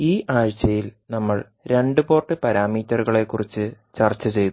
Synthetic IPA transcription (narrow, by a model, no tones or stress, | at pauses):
iːʔaːɻt͡ɕːɐjilnɐmːɐɭ | ɾe̞ɳɖupo̞ːrʈːɨpɐɾaːmiːtːɐruɣɐɭe̞kːurit͡ɕːɨ | t͡ɕɐrt͡ɕːɐt͡ɕe̞jt̪u